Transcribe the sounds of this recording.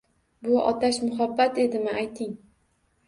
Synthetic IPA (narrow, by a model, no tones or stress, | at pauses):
bʊɒ̰t̪ʰaʃmʊɦabːat̪e̞d̪ɪmɪʔajt̪ʰɪŋ